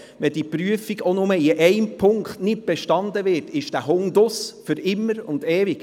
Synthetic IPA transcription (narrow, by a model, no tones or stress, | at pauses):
ʋɛd̥iːpɾyəfiɡonʊməɪʔɛɪmpʰʊŋkχtnɪt̚b̥ɛʃtɑnd̪əʋɪrtɪʃd̥æɦʊŋd̪ʊsfʏɾɪmːəɾʊnd̪ɛːviɡ̥